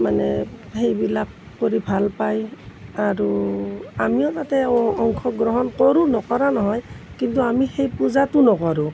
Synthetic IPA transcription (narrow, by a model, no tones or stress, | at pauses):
manɛhejbilakːoɹibʱalpajaɹu | amiɔtatɛɔŋkʰɔɡɹɔɦɔnkɔɹunɔkɔɹanɔɦɔjkintuamixejpuzatʊnɔkɔɹu